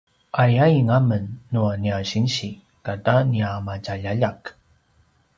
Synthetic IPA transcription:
ʔajajiŋamənːuaniaɕinɕi | kataniamacaʎaʎak

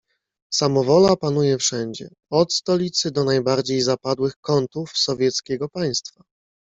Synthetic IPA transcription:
samɔvɔlapanujɛfʂɛɲd͡ʑɛ̰ | ɔt̪st̪ɔlʲit̪sɘd̪ɔnajbaɾd͡ʑejzapad̪wɘxkɔnt̪ufsɔvʲjɛt̪skʲɛɡɔpaj̃st̪fa

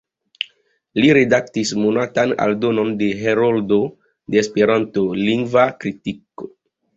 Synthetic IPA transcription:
liɾedaktismonatana̰ldono̞ndeɦeɾoldo | deːspeɾantoliŋɡvakɾitiko

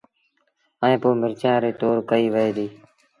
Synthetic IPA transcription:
əẽːpoːmɪɾt͡ʃjãːɾeːt̪oːɾkəiːʋəeːd̪iː

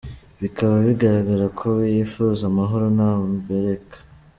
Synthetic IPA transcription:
βikaβaβiɡaɾaɡaɾakʰo̞βijifuzamaɦoɾonambeɾe̞kḁ

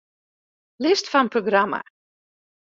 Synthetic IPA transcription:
lɪstfɔnnproɡrama̰

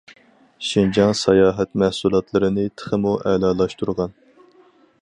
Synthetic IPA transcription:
ʃind͡ʒɑŋsɑjɑːɦɛt̪mæhsulˠɑt̪lˠɨɾɨnɨt̪ʰə̥χəmuʔɛlɑːlˠɑʃt̪uɾʁɑn

